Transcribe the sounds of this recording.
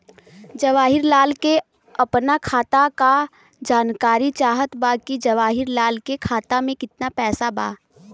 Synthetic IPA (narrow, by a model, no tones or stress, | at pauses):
d͡ʒɐʋaːɦɪɾlaːlke | ɐpnakʰaːt̪aka | d͡ʒaːnkaːɾit͡ʃaːɦət̪baːkid͡ʒɐʋaːɦɪɾlaːlkekʰaːt̪amẽkɪt̪napɛːsaba̰ː